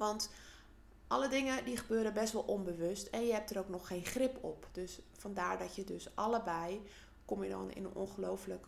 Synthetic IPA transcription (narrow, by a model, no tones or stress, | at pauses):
ʋɑnt | ʔɑlədɪŋədiχəbøːɾəbɛstʋɔlˠʔɔnbəʋøstʰɛnjəɦɛp̚təɾowknɔxːeːnχrɪpɔ̰pd̥øsfandaːɹdɔtjədøsʔɑləbɛj | komjədɔ̰nɪ̰nə̰no̰nχəlowflək